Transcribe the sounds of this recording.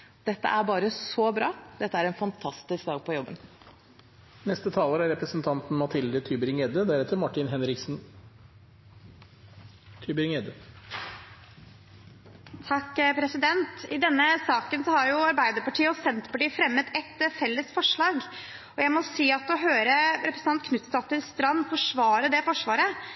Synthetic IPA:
d̪̥ɛt̪ːə̰ʔæɾbɑːɾəsɔbɾɑːd̪̥ɛt̪ːəæɾɛnfɑnt̪ʰɑst̪ɪskd̪ɑːɡ̚pʰɔjɔbːə̰n | nɛst̪ət̪ʰɑːləɾæɾɾɛpɾəsnt̪ʰɑnt̪n̩mɑt̪ʰɪld̪ət̪ʰyːbəɾɪŋɛd̪əd̪æɾɛt̪ːəɾmɑʈːɪnɦɛnɾɪksn̩ | t̪ʰyːbɾɪŋed̪ə | t̪ʰɑkːpʰɾɛsɪd̪ɛnt̪ɪd̪ɛnːəsɑːkənsɔhɑɾjʊɑɾbæɪd̪əɾpɑʈʰiːəɔsɛnt̪pɑʈiːfɾɛmːəd̪ɛt̪ːfɛlːəsfɔʂɭɑːɡ | ɔjæɪmɔsiːɑt̪ɔɦøːɾəɾɛpɾəsn̩ʰɑnt̪̚kʰnʉt̪st̪ɑt̪ːəɾst̪ɾɑnːfɔʂʋɑːɾəd̪ɛfɔʂʋɑːɾə

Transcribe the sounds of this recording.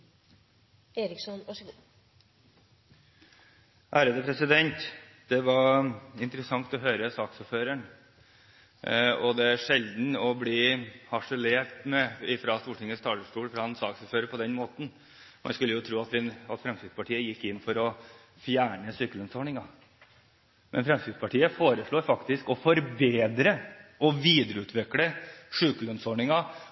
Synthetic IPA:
eːɾɪksɔnʋɑʂɡ | ʔæːɾəd̪əpʰɾɛsɪd̪ɛnt̪ | d̪̥ɛʋɑɾɪnt̪ɾəsɑŋt̪ɔɦøːɾəsɑːksɔɾføːɾəɳ | ɔd̪ɛæʂɛld̪n̩ɔbliːhɑʂɛleːʈmɛɪfɾɑst̪uːʈɪŋəst̪ʰɑːləsʈuːlfɾɑɛnsɑ̰ːksɔføːɾəpɔd̪ɛnmoːt̪n̩ | mʔɑ̰nskʉlːəjʊt̪ʰɾuːɑt̪ʋɪɑt̪fɾɛmst̪ɪd̪spɑʈʰiːəjɪkːɪnfɔɾɔ | fjæːɳəsyːkəlœnsɔːɳɪŋɑ | mʔɛ̰nfɾɛmst̪ɪd̪spʰɑʈʰiːəfoːɾəʂɭuːɾfɑkt̪ɪskɔfɔɾbeːd̪ɾəɔʋiːd̪ɾəʉːt̪ʰʋɛkləʂʉːkəlœnsɔɳɪŋɑ

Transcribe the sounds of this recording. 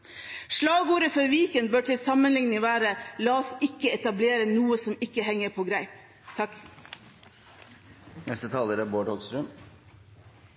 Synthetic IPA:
ʂɭɑːɡuːɾəfɔɾʋiːkənbøːʈʰɪlsɑmənlɪŋnɪʋæːɾəlɑːɔsɪkːəɛt̪ɑbleːɾənuːəsɔmɪkːəhɛŋːəɾpʰoːɡɾæɪp | t̪ʰɑk | nɛst̪ət̪ʰɑːləɾəboːɖhɔɡst̪ɾəm

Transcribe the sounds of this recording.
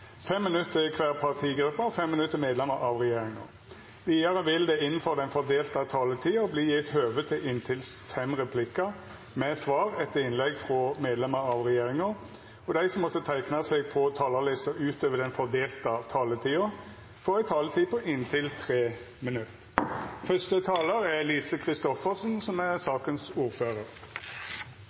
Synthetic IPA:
fɛmːɪnʉt̪ːəkʰʋæːʁpʰɑʁt̪ʰiːɡɾʉpːəfɛmːɪnʉt̪ːəmeːd̪lɛməɾɑʋʁɛjeːɾɪŋə̰ʁ | ʋ̪iːɑɾəʋɪld̪ɛɪnːn̩fɔʁd̪ɛnfɔʁd̪eːlt̪ɑt̪ʰɑːlət̪ʰiːʊbliːjɪt̪høːʋət̪ʰɪlʔɪnt̪ʰɪlsfɛmʁɛpʰlɪkɑ | mɛsʋɑːʁɛt̪ːəɪnlɛɡfʁɔmeːd̪lɛməɾɑʋʁɛjeːɾɪŋəɾ | ɔd̪æɪsɔmːɔt̪ːət̪ʰæɪknɑseɡ̚pʰɔt̪ʰɑːlɑlɪst̪əʉːt̪ʰøːʋəd̪ɛnfɔʁd̪eːlt̪ɑt̪ʰɑːlət̪ʰiːə | fɔʁæɪt̪ʰɑːlət̪ʰiːpʰɔʔɪnt̪ʰɪlt̪ʰʁeː | mɪnʉt̪ | fœst̪ət̪ʰɑːləɾæʁliːsəkʰʁɪst̪ɔfəʁsnsɔmæʁsɑːkənsuːʁføːʁəɾ

